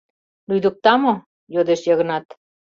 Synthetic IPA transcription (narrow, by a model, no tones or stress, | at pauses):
lujd̪uk̚t̪ɑmo | jod̪eʃjɑɣɤ̆nɑt̪